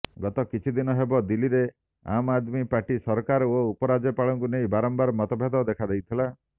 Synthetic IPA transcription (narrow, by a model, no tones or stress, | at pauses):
ɡɔt̪ɔkit͡ʃʰid̪inɔɦebɔd̪iliɾe | a̰mad̪mipaʈisɔɾkaɾoupɔɾad͡ʒepaɭɔŋkunejbaɾɔmbaɾmɔt̪ɔbʱjed̪ɔd̪ekʰad̪ejt̪ʰila